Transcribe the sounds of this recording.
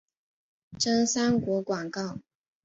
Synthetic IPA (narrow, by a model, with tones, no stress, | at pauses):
ʈ͡ʂə˥ŋsa˥nkwɔ˧˥kwa˨˩ŋkɑ˥˩ʊ